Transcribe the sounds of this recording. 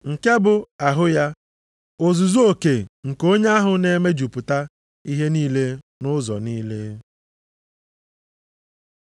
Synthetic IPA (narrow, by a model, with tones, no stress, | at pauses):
ŋ̩˨ke˦bʊ˨a˨ɦʊ˦ja˦ | o˨zu˨zu˦o˨ke˨ŋ̩˨ko˦ɲe˦a˦ɦʊ˨ne˦me˦d͡ʒu˨pʊ˨ta˦ | i˦ɦe˦niː˦le˦ | nʊ˦zɔ̰˨niː˦le˦